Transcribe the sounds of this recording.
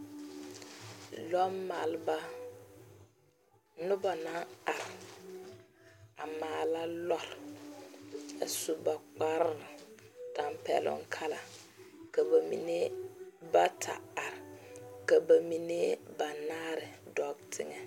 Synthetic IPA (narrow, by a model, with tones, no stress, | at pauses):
lɔ˦ma˨lba˦ | nʊ˦ba˨na˦a˨ɾ | a˨maː˨˦˨la˦lɔ˦ɾ | a̰˨su˨ba˨k͡pa˦ɾnɪ˨d̥a˨mpɛ̰˨lʊ̰˦ŋ˦kʰa˦la̰˨ | ka˨ba˨mḭ˨ne˦ba˦tʰa̰˨a˨ɾka˨ba˨mi˨ne˦ba˨naː˦ɾɪ˨dɔ˦btʰɪ˦ŋɛ˨